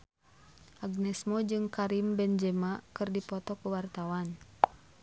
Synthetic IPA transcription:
ʔaɡnɛsmɔd͡ʒɨŋkaɾimbɛnd͡ʒɛmakɨrdipɔt̪ɔkuwart̪awan

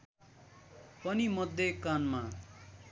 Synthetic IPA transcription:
pʌnimʌd̪ʱːekanma

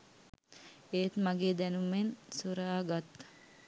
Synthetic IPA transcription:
eːt̪maɡeːd̪ɛnumːensuɾaːɡat̪ː

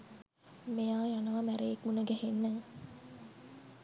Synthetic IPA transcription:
mejaːjanɐʋɐmæɾeːkmunəɡæhenːæː

